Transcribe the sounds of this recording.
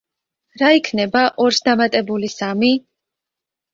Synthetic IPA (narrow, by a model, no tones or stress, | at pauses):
ɾaikʰnɛbaʔɔɾsd̪amat̪ʼɛbulisami